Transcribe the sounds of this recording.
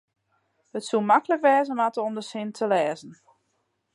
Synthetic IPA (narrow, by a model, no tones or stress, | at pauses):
hətsumakələkʋɛːzəmatəɔmdəsɪntʰəlɛːzən̩